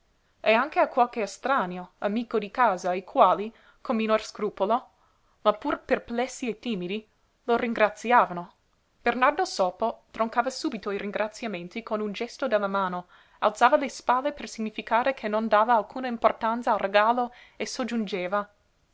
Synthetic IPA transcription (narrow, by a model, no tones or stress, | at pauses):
eaŋkeakwalkeast̪ɾanjoamiːkod̪ikaːzaikʰwaːli | kʰomːinorskɾuːpolo | mapːurperplɛsːiet̪ːiːmid̪i | loriŋɡɾat̪sjaːvano | b̥ernard̪osoːpot̪ɾoŋkaːvasuːbit̪oiɾiŋɡɾʔat̪sjamẽnt̪ikonund͡ʒɛst̪od̪elːamaːno | a̰lt̪saːvalespalːepersiɲifikaːɾekʰenːond̪aːvaːlkʰuːnaimport̪ant̪salreɡaːlo | esod͡ʒund͡ʒeːva